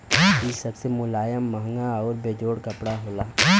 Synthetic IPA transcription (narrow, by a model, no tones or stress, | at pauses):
iːsɐbsemʊlaːjəmːɐɦŋɡaɔːɾbeːd͡ʒoːɽkɐpɽaɦoːlaː